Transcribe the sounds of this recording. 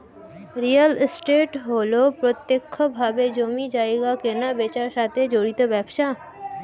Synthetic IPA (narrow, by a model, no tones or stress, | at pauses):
ɾijəlsʈeʈɦolopɾot̪jekʰːbʱabed͡ʒomid͡ʒaːeɡakenabet͡ʃaɾʃat̪ʰed͡ʒoɽit̪obɛbʃa